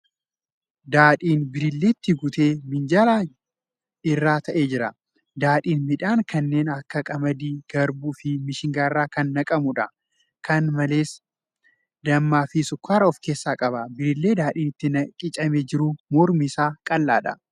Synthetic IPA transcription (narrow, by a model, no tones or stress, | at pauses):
d̪aːᶑiːnbɪɾɪlːe̞ːt̪ːɪɡʊt̪e̞ːmɪnd͡ʒalaː | ɪrːaːt̪ɐʔeːd͡ʒɪɾɐ̰ | d̪aːᶑiːnmɪᶑaːŋkʰɐnːe̞ːnɐkːɐkʼɐmɐd̪iːɡɐɾbuːfɪmɪʃɪŋɡaːɪrːaːkɐnːɐkʼɐmʊᶑɐ | kʰɐnmɐle̞ːs | d̪ɐmːaːfɪsʊkːaːɾɐɔfke̞ːsːaːkʼɐbɐbɪɾɪlːe̞ːd̪aːᶑiːnɪt̪ːɪnɐkʼɪt͡ʃʼɐmed͡ʒɪɾʊmɔɾmiːsaːkʼɐlːa̰ːᶑɐ̰